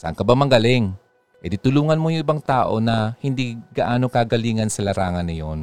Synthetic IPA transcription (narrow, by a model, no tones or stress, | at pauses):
sʔɐ̰ŋkɐbamɐŋɡalɪŋ | ʔɛd̪it̪ʊluːŋɐnmojʊŋʔɪbaŋt̪aːʔo̞̰nɐhɪnd̪iɡɐʔaːnokaɡɐliːŋɐnsɐlɐɾaːŋɐnːɐjon